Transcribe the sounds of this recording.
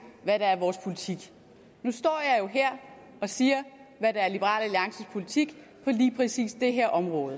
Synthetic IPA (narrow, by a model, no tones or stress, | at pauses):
ʋæɾɑæɐʋɒːspʰo̝lit͡sʰiɡ̥ | nusd̥ɒ̰ːjɑ̈ɪjo̝ɦeɐ̰ | ɒ̽siːɐʋæɾ̥ɑæɐlib̥əʁɑ̰̈ːlæliɑ̈ŋsəpʰo̝lit͡sʰiɡ̥ | pʰɒ̽liːpʰʁɛsḭːsd̥e̝ɦeɐ̰ʔɒ̽mʁɔ̽ːð̞̩ˠ